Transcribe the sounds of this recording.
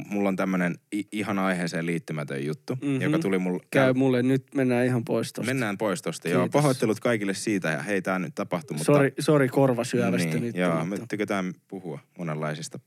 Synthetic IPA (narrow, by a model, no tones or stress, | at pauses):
mulːont̪æmːøneniiɦɑnɑiɦeːseːliːt̪ːymæt̪ø̰jjut̪ːujokɑulimulkæymulːennyt̪menːæːihɑmpoist̪o̰menːæːmpoist̪ost̪ɑjɑːpɑɦot̪ːelut̪kɑikilːessiːt̪æjɑ̰heit̪æːny̰t̪t̪ɑpɑht̪umusorisorikorʋɑsyæʋænsiːænytj̪ɑːmt̪ːykøt̪æːmpuhuɑmonelːɑisist̪ɑ